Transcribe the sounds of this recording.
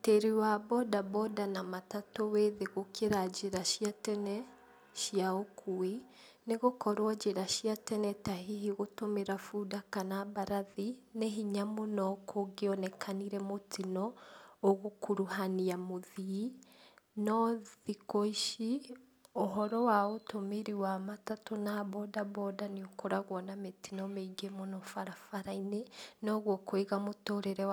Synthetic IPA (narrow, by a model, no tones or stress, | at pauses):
teɾiwabɔdabɔdanamatatoweðeɣokeɾad͡ʒeɾaʃiatɛnɛ | ʃiaokʰue | neɣokɔɾwad͡ʒeɾaʃiatɛnɛtaɦiɦiɣotomeɾafudakanaβaɾaðineɦiɲamonɔkʰoɡeɔnɛkʰaniɾɛmotinɔː | ɣokuɾuhaniamoði | nɔðikoiʃi | oɦɔɾɔwaotomeɾiwamatatonaβɔdabɔdaniokoɾaɣwɔnametinɔmeɡemonɔfaɾafaɾainenɔɣwokweɣamotoɾeɾɛ